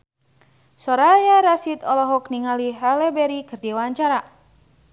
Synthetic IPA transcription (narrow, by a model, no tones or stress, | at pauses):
sɔɾajaɾasit̪ɔlɔɦɔkniŋaliɦalɛbɛɾikɨrdiwaɲt͡ʃaɾa